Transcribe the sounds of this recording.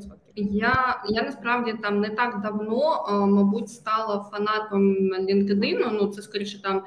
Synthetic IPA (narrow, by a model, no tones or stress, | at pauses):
jajanɐspɾavdʲit̪amnɛt̪aɡd̪ɐwnomɐbutʲst̪ɑlˠɐfɐnɑt̪ɐmlʲɪnkɪd̪ɪnʊnut̪sɛskɔɾʲejʃɨt̪ɑm